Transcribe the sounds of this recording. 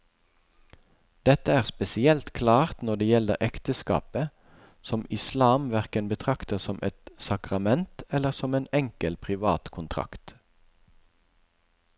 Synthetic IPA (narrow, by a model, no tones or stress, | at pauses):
d̪̥ɛt̪əæːʁspɛsɪɛlt̪kʰlɑːʁt̪nɔd̪eːjɛləʁʔɛkt̪əskɑ̰ːpə | sɔmɪslɑːmʋæʁkənbət̪ʰʁɑkt̪əsɔmʔɛ̰t̪sɑkʁɑmɛnt̪ɛləʁsɔmeːnɛŋkəlpʰʁɪʋɑ̰ːt̪kʰʊnt̪ʰʁɑ̰kt̪